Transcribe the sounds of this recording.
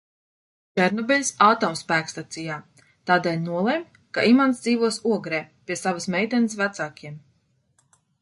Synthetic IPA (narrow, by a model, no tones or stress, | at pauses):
t͡ʃɛɾnɔbʲɛlʲsaːt̪ɔːmspæːkst̪at̪sijaː | t̪aːd̪ɛːlʲnuɔlˠejm | ka̰ʔimansd̪iːvuɔsuɔɡɾɛːpʲiɛsavəsmɛjt̪ɛnəsvæt̪saːkʲiɛm